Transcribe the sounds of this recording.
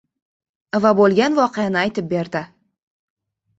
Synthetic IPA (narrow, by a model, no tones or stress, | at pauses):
vabolˠɡʲanvɒqejanɪajt̪ʰɪp̚be̞ɾd̪ɪ